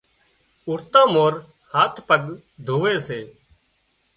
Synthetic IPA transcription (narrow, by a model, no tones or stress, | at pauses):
ʊɾt̪ãːmoːɾ | haːt̪ʰpəɠ | d̪ʱoːʋeːseː